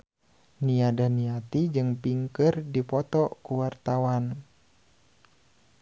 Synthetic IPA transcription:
niadaniat̪id͡ʒɨŋpiŋkərdipɔt̪ɔkuwart̪awan

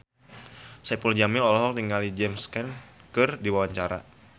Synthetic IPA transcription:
sɛpuld͡ʒamɪlɔlɔɦɔk̚tiŋalid͡ʒɛmskɛnkɨrdiwawaɲt͡ʃaɾa̰

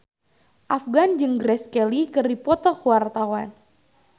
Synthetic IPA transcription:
ʔafɡand͡ʒɨŋɡɾɛskɛlikɨrdipɔt̪ɔkuwart̪awan

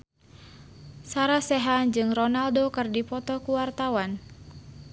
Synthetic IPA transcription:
saɾasɛɦand͡ʒɨŋrɔnaldokɨrdipɔt̪ɔkuwart̪awan

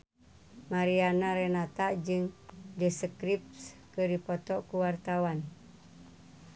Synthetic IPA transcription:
maɾianaɾɛnat̪aʔd͡ʒɨŋdəsəkɾipskəɾipɔt̪ɔʔkuwart̪awan

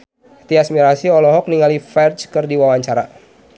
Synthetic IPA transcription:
t̪iasmiɾasiɔlɔɦɔk̚niŋalifɛrt͡ʃkɨrdiwawaɲt͡ʃaɾa

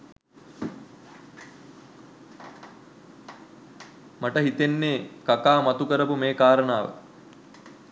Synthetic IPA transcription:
maʈəɦit̪enːeːkakaːmat̪ukəɾəpumeːkaːɾənaːʋə̰

